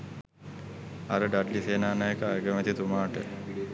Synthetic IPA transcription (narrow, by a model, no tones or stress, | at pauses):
aɾəɖaʈliseːnaːnajekaaɡəmɛt̪it̪umaːʈə̰